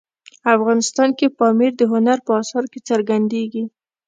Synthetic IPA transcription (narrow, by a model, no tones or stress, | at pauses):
afɣɑnɪst̪ɑnkepɑmiɾd̪əɦʊnaɾpəɑsɑɾket͡səɾɡand̪eɡi